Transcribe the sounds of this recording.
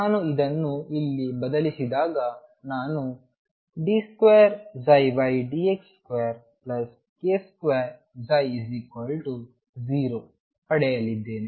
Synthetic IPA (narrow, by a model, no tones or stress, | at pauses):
naːnuid̪ɐnːuilːibɐd̪ɐlisid̪aːɡɐnaːnu | ɖiskʋejɐɾzɐjbɐjɖiekskejɐɾ | plɐs | keːskʋeɐɾ | zɐjziːkʋɐlʈu | ziːɾoː | pɐɽɛjɐlːid̪ːe̞ːni